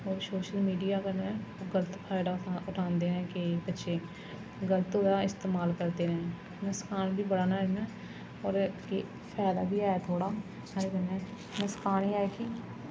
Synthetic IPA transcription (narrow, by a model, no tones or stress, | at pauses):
ɔːɾsoːʃəlmiːɖijaːkənɛ̃ːɡələt̪pʰaːɪɖaːʊʈʰãːnd̪eːɾɛ̃ːkɪbətːʃʰeː | ɡələt̪ɦoːjaːɪst̪eːmaːlkəɾt̪eːɾɛ̃ː | nəskaːnbʱiːbəɽaːnaːɪnɛː | ɔːɾke | pʰɛːd̪a̰ːbʱiːaːet̪ʰoːɽaː | aːeɡənɛ̃ː | nəskaːniːaːekiː